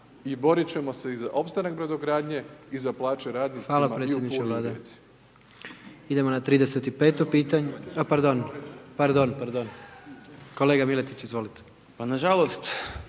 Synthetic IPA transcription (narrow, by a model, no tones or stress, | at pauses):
ibo̞ɾit͡ɕe̞mo̞seizaʔo̞pst̪anak̚bɾed̪oɡɾaːd̪ɲeizaplˠaːt͡ʃeɾaːd̪nixʋaːlampɾejed̪nit͡ʃeʋlˠaːd̪aisi̥ | id̪emonat̪ɾiːd̪ese̞t̪ipe̞ːt̪opiːt̪aɲeapaɾd̪o̞npaɾd̪o̞npaɾd̪on | ko̞le̞ːɡamilet̪it͡ɕizʋo̞lit̪e̥ | panaʒalo̞st̪